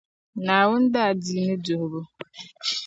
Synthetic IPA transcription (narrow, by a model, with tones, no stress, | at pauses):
na˨a˨wʊ˦n̩˦da˦a˨di˨˦me˦do˨bʊ˦